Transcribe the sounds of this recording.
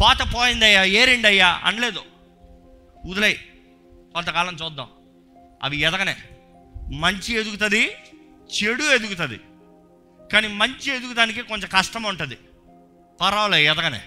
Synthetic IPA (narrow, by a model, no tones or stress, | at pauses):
paːt̪ɐpoːjind̪ɐjːaeːɾiɳɖɐjːaɐ̰nleːd̪u | ud̪ɐlej | kont̪ɐkaːlɐŋt͡ʃuːd̪ːa̰ːm | ɐ̰ʋiɛd̪ɐɡɐnḛː | mɐɲt͡ʃied̪ukut̪ɐd̪i | t͡ʃeɽued̪ukut̪ɐd̪ḭ | kaːniːmɐɲt͡ʃie̞d̪ukud̪aːnikikoɲt͡ʃɐkɐʂʈɐmuɳʈund̪i | pɐɾɐːlɐɛd̪ɐɡɐnḛː